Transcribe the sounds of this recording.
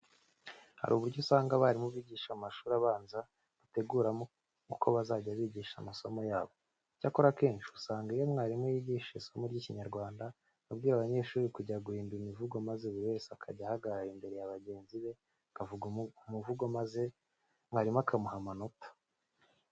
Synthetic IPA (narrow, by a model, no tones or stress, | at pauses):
ha̰ɾuːβuɾɟosaːŋɡaβaɾimuβiːɟiːʃamaʃuːɾiaβaːnza | ɡ̥ute̞ɡuːɾamo | kukʰo̞βazaɟaβiːɟiːʃa̰maso̞mo̞jaːβo̞ | cako̞ɾake̞ːnʃiusaːŋɡaijo̞mŋaːɾimujiɟiʃesomuɾɟiːciɲaɾɡwaːnda | βabɡiːɾaβaɲe̞ʃuːɾikuɟaɡuhiːnduimivuɡomazeβuβe̞ːsakʰa̰ɟahaɡaɾɾaɾimbe̞ɾejaβaɟe̞ːnziβe̞ | kavuɡumuvuɡomaze | mŋaːɾimakʰamuɦamano̞tḁ